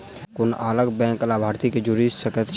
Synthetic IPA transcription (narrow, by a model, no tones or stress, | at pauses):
konaləɡbɛ̃ŋklabʱaːɾt̪iked͡ʒuɾisəkət̪ʰ